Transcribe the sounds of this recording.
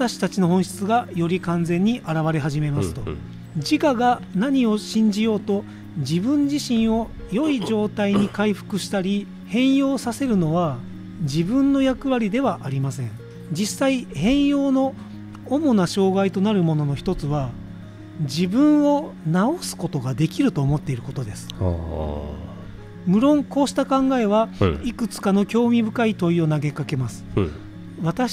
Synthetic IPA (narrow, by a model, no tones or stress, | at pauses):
at̪aɕi̥t̪at͡ɕino̞ɦõ̞ɰ̃ɕi̥t͡sɨɡajo̞ɾʲikãnd͡zẽ̞ɲ̟ːiʔaɾaβaɾe̞ɦaʑime̞masɨ̥t̪o̞ | d͡ʑikaɡanaɲ̟io̞ɕĩɲ̟d͡ʑijo̞ːt̪o̞ | d͡ʑibɯ̟̃ɲd͡ʑiɕĩɰ̃o̞ | jo̞id͡ʑo̞ːt̪aiɲ̟ikaiɸɯ̟̥kɯ̟ɕi̥t̪aɾʲi | hẽ̞ɰ̃jo̞ːsase̞ɾɯ̟no̞βa | d͡ʑibɯ̟̃nːo̞jakɯ̟βaɾʲid̪e̞βaʔaɾʲimasẽ̞̰ɴ | d͡ʑisːaihẽ̞ɰ̃jo̞ːno̞ː | mo̞naɕo̞ːɡait̪o̞naɾɯ̟mo̞no̞no̞çi̥t̪o̞t͡sɨβa | d͡ʑibɯ̟̃ɰ̃o̞naosɨ̥ko̞t̪o̞ɡad̪e̞kʲiɾɯ̟t̪o̞ːmo̞t̪ːe̞iɾɯ̟ko̞t̪od̪esɨ̥ | mɯ̟ɾõ̞ŋko̞ːɕi̥t̪akãŋɡae̞βaikɯ̟t͡sɨ̥kano̞kʲo̞ːmʲibɯ̟kait̪o̞io̞naɡe̞kake̞masɨ̥ | βat̪a